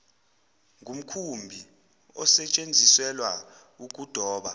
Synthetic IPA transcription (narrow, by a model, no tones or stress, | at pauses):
ŋʱum̩kʰumbʱi | ɔsɛt͡ʃʼend͡zʱisɛlwa | uk̬ʼud̥ʱɔːɓa